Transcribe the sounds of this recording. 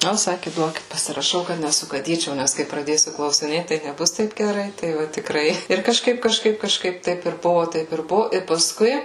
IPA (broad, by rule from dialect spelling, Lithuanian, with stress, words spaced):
ˈnʊ ˈsɑːkʲɪ ˈduɔkʲɪt pɐsʲɪrɐˈʃɐʊ kɐt nʲɛsʊɡɐˈdʲiːt͡ʃʲɛʊ ˈnʲæs kɐɪ prɐˈdʲeːsʲʊ klˠɐʊsʲɪˈnʲeːt tɐɪ nʲɛˈbʊs ˈtɐɪp ɡʲɛˈrɐɪ ˈtɐɪ ʋɐ tʲɪkˈrɐɪ ɪr kɐʃˈkɐɪp kɐʃˈkɐɪp kɐʃˈkɐɪp ˈtɐɪp ɪr ˈbʊʋoː ˈtɐɪp ɪr ˈbʊʋoː ɪr pɐˈskʊɪ